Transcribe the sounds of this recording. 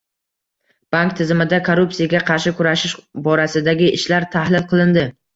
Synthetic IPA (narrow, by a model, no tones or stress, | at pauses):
b̥aŋkt̪ʰɪzɪmɪd̪akʰoɾupsijaɡʲaqʰɑɾʃɪkʰʊɾaʃɪʃbɒɾasɪd̪aɡʲɪʔɪʃlaɾt̪ʰahlɪlˠqʰɨlˠɪnd̪ɪ